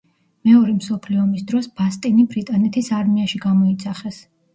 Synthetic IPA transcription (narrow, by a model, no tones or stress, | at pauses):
mɛɔɾɛmsɔpʰliɔmisd̪ɾɔsb̥ast̪ʼinibɾit̪ʼanɛt̪ʰisaɾmiaʃiɡamɔit̪sʰaχɛs